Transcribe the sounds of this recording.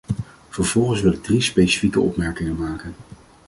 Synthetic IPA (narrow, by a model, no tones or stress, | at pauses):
v̥əɹv̥ɔlˠχənsʋɪlədrispejsi̥fikəʔɔ̰pmɛɹkɪŋənmaːkən